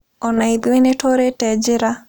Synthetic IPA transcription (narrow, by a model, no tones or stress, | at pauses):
ɔnaid̪linetoɾetɛd͡ʒɪɾa